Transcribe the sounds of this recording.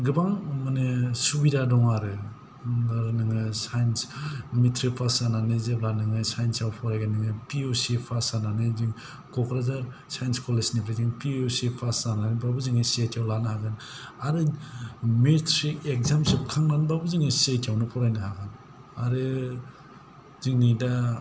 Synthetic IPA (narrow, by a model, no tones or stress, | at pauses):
ɡɯbaŋmanɯsubidadɔŋaɾɯ | aɾnɯŋɯsajnsmitʰɾipʰasananɯzeplanɯŋɯsajnsjawpʰɔɾajɡanɯŋɯpiosipʰasananɯziŋ | kɔkʰɾazaɾ | sajnskɔlesnipʰɾiziŋpiosipʰasananibabuziŋɯsetʰjawlanahaɡɯnaɾɯ | metɾikek̚zamsip̚kʰaŋnanbabɯziŋɯsetijawnɯpʰɔɾajnɯɦaɡan | aɾɯ | ziŋnida